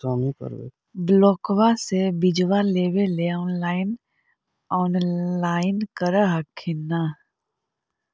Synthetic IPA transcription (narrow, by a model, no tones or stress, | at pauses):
aːmikə̰ɾwḛ | blɔːkwasebɪd͡ʒwaleːweleɔːnlaːɪn | ɔːnlaːɪnkəɾəɦəkʰːɪnːaː